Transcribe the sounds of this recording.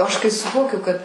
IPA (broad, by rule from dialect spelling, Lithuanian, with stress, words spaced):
ɐʃ kɐɪ sʊˈʋoːkʲʊ kɐt